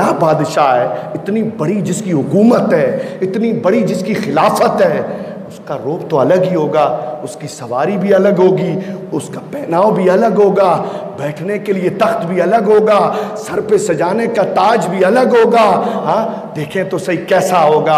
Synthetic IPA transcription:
aːbaːd̪ʃaɦɛːɪt̪nibɐɽid͡ʒɪskiɦʊkuːmət̪ɦɛːɪt̪nibɐɽid͡ʒɪskixɪlaːfət̪ɦɛː | ʊskaɾoːpt̪oɐləɡɦiɦoːɡaːʊskisɐʋaːɾibʱiɐləɡɦoːɡiːʊskapɛːnaːobʱiɐləɡɦoːɡaːbɛːʈʰnekeliet̪ɐxt̪bʱiɐləɡɦoːɡaːsɐɾpesɐd͡ʒaːnekat̪aːd͡ʒbʱiɐləɡɦoːɡaːɦãː | d̪eːkʰẽt̪osɐɦikɛːsaɦoːɡaː

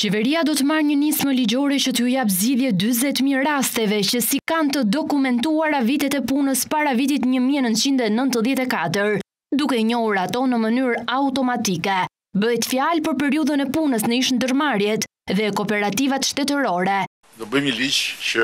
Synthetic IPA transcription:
t͡ɕɛvɛɾiad̪ɔt̪əmaɾɲənisməlid͡ʑɔɾɛt͡ɕət̪ːjap̬zɟiðjɛd̪yzɛt̪miɾast̪ɛvɛcəsikant̪əd̪ɔkumɛnt̪uaɾavit̪ɛt̪ɛpunəspaɾavit̪̬it̪ɲəmiɛnənt̪̚t͡ʃind̪ɛnənt̪əðjɛt̪ɛkat̪əɾ | d̪ukɛɲɔhuɾat̪ɔnəmənyɾaut̪ɔmat̪ikɛ | bəɦɛt̪fjalpəɾpɛɾiuðənɛpunəsnəiʃnd̪əɾmaɾjɛt̪ | ðɛkɔpɛɾat̪ivat̪ʃt̪ɛt̪əɾɔɾɛ | d̪ɔbəmilit͡ʃə

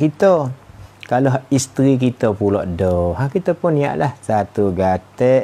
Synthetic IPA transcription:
kit̪ə | kaloist̪ɾik̬it̪əpulɔ̰ʔdɔɦakit̪əpʊnːia̰ʔlahsat̪uɡat̪ɛʔ

